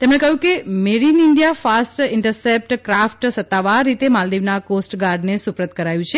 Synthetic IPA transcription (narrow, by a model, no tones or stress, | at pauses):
t̪emɽ̃ekəɦjũkemeɾinɪɳɖijafasʈɪɳʈəɾsep̚ʈkɾafʈsət̪ːaʋaɾːit̪emald̪iʋnakosʈɡaɾɖnesupɾət̪̚kəɾajũt͡ʃʰe